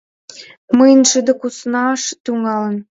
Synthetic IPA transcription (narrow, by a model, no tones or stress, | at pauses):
mɤjnʲʃə̆d̪ə̆kusnɑʃt̪uŋɑlə̆n